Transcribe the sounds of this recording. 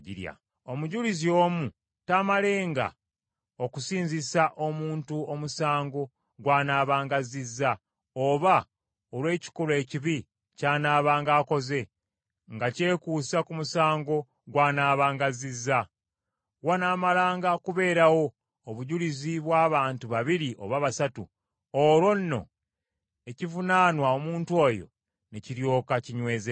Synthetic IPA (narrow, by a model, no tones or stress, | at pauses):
ḭɾja̰ | o̞muɟulizio̞ːmu | tamale̞ːŋɡa̰ | okusiːɲzisaʔo̞muːntuo̞musaːŋɡo̞ | ɡwaːnaːβaːŋɡazizːa | oβa | olwe̞ːci̥kole̞ːciβi | caːnaːβaːŋɡaːko̞ze̞ | ŋɡace̞ːkuːsakumusaːŋɡo̞ | ɡwaːnaːβaːŋɡazizːa | wanaːmalaːŋɡakuβe̞ːɾawo̞ː | βuɟuliziβwaːβaːntuβaβiɾiʔo̞̰βaβasatu | olwo̞nːo̞̰ | e̞civunaːnwaomuːntuo̞ːjo̞̰ | neciɾjo̞ːkaciɲwe̞ːze